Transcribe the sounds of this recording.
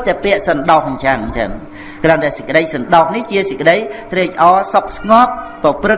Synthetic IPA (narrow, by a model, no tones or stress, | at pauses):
t̪ɛpɛ̆əʔsɑnɗɑhkɲt͡ɕaŋt̪ʰa̰m | kraənɗaɛsəc̚kə̆ɗəjsɑnɗɑhniht͡ɕiəsəc̚kːəɗəjt̪rɛːc̚ʔɑːsok̚sŋŏp̚ːrɑprɨ